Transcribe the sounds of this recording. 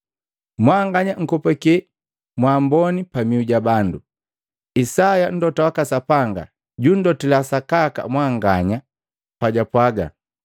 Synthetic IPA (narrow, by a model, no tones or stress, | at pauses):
mwaŋɡaɲaŋ̩kɔpɛkɛ | mwaːmbɔnipamiuɟabandu | isajan̩dɔtawakasapaŋɡa̰ | ɟun̩dɔtɛlasakaka̰mwaŋɡaɲa | paɟapwaɡa̰